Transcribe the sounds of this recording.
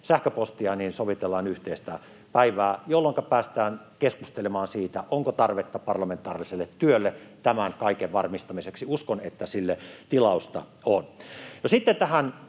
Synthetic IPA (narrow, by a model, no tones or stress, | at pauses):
sæhkøpost̪iɑniːnsoʋit̪elːɑːnyht̪eːst̪æ̰ | pæiʋæːjolːoŋkɑpæːst̪æːn | keskust̪elemɑːnsiːt̪æʔoŋkot̪ɑrʋet̪ːɑpɑrlɑment̪ˑɑ̰ːriliselːet̪ːyølːet̪æmænkɑˑikeʋʋɑrmist̪ɑmiseksiuskonet̪ːæsilːet̪ilɑˑust̪ɑ̰onnosit̪ːent̪æhæn